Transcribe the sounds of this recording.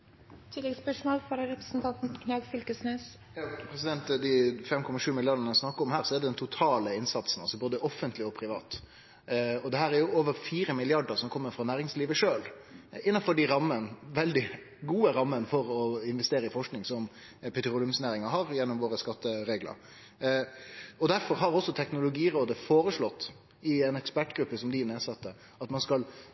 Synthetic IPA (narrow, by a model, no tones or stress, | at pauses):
t̪ʰɪlːɛɡspœʂmoːlfɔɾɾɛpɾə̥sn̩t̪ʰɑnt̪n̩kʰnɑːɡfʏlkəsneːs | jɑːpʰɾɛsɪd̪ɛnt̪d̪ɪfɛmkʰɔmɑʂʉːmɪlɪjɑɖənəsnɑkːəɾɔmhæːɾsɔɛd̪ɛd̪ɛnt̪ʰʊt̪ʰɑːləɪnsɑt̪sn̩ɑlsɔboːd̪əʔɔfənt̪ʰlɪɔpʰɾɪʋɑ̰ːt̪ | ɔd̪ɛhæːɾæɾjʊoːʋəɾfiːɾəmɪlɪɑɖəɾsɔmkʰɔmːəɾfɾɑnæːɾɪŋsliːʋəʂøːl | ɪnːɑnfɔɖiɾɑmːənʋɛld̪ɪ | ɡuːəɾɑmːənfɔɾɔɪnʋɛst̪eːɾəɪfɔʂknɪŋsɔm | pʰɛt̪ɾuːlʉmsnæːɾɪŋɑɦɑɾjɛnːɔmʋoːɾəskɑt̪ːəɾeːɡlə̰ɾ | ɔd̪æɾfɔɾɦɑɾɔsːɔt̪ʰɛknʊlʊɡiːɾoːd̪əfoːɾəʂlɔt̪ː | ɪɛnɛkspæʈɡɾʉpːəsɔmd̪ɪneːsɑt̪ːə | ɑt̪mɑnskɑl